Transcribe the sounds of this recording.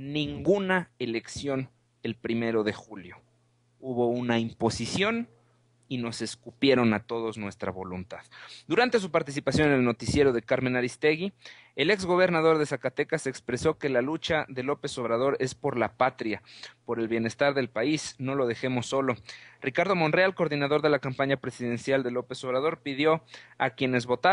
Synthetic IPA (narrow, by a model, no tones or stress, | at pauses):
nĩŋɡunaele̞ksjo̞n | e̞lpɾime̞ɾo̞ðe̞xuljo̞ | uβo̞unaimpo̞sisjo̞n | ino̞se̞skupje̞ɾo̞nat̪o̞ðo̞znwe̞st̪ɾa̰βo̞lunt̪aðd̪uɾant̪e̞s̬upaɾt̪is̬ipasjo̞nnelnot̪isje̞ɾo̞ðe̞kaɾmẽnaɾist̪e̞ɣi | ele̞kzɣo̞β̞e̞ɾnaðo̞ɾðe̞sakat̪e̞kasekspɾe̞so̞ke̞lalut͡ʃaðe̞lo̞pe̞so̞βɾaðo̞ɾe̞spo̞ɾlapat̪ɾjapo̞ɾe̞lβje̞ne̞st̪aɾðe̞lpaisno̞lo̞ð̞e̞xe̞mo̞sːo̞lo̞rikaɾðo̞mo̞nrealko̞ɾðinaðo̞ɾðe̞lakampaɲapɾe̞siðe̞nsjald̪e̞lo̞pe̞so̞β̞ɾað̞o̞ɾpiðjo̞akje̞ne̞zβo̞t̪a